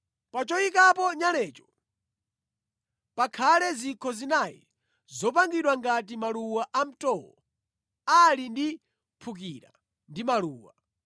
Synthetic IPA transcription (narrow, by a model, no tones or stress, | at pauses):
pat͡ʃɔikapɔɲalɛːt͡ʃɔ̥ | pakʰalɛzikʰɔzinaji | zɔpaŋɡiɗwaŋɡat̬imaluwaʔam̩tɔwɔ̰ | alindi | pʰuk̬iɾa̰ | ndimaluːwa